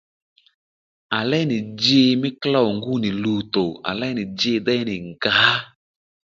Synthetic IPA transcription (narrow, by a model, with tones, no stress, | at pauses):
a˨lɛ˦nɪ˨d͡ʒe˦mɪ˦kla˦˨o˨ŋɡu˦˨nɪ˨luː˨˦to˨a̰˨lɛ˦nɪ˨d͡ʒe˧˦dɛ˦nɪ˨ŋ˨ɡa˨˦